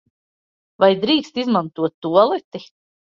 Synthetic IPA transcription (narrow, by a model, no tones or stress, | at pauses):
vajd̪ɾiːkst̪izmant̪uɔt̪ːuɔlˠɛt̪i